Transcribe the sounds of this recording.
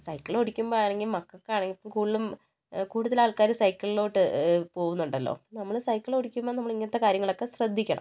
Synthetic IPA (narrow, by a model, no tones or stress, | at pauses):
sɐjkːiɭoɽikʲːumboːaːɳeŋɡilmɐkːɐkːeaːɳeŋɡiipːomkuːɭilum | kuːɽuðɐlaːɭkaːɾusɐjkːiɭilo̞ːʈːɨpo̞ːɣunːuɳɖɐlːo̰ːnɐmːɐɭsɐjkːiɭoɽikʲːumboːnɐmːɐɭiŋːɐnɐt̪ːekaːɾjɐŋːɐɭo̞kːe̞srɐd̪ʱːikʲːɐɳɐ̰mm